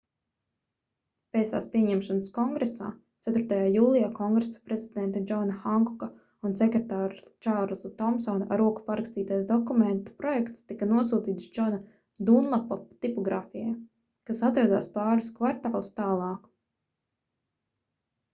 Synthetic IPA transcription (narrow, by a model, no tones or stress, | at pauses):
pɛːsa̰ːspʲiɛɲɛmʃanəskɔŋɡɾesa̰ː | t̪sæt̪ʊɾt̪ajaːjuːlˠijaːkɔŋɡɾesḁpɾezid̪ɛnt̪ad͡ʒɔnaxaŋkɔka | unsɛkɾet̪aːɾt͡ʃaɾlˠzat̪ɔmsɔnʔaɾuɔku̥paɾakst̪iːt̪ajsd̪ɔkumɛnt̪u̥pɾɔjɛkt̪st̪ikɐnuɔsuːt̪iːt̪sd͡ʒɔna | d̪unlˠapɔpt̪ipɔɡɾaːfijaj | kasat̪ɾad̪a̰ːspaːɾiskvaɾt̪aːlˠust̪aːlˠɑːk